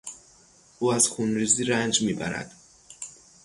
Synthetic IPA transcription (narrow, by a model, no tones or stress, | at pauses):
ʔuːæz̥xunɾiːziːɾænd͡ʒmiːbæ̰ɾæ̰d̪̥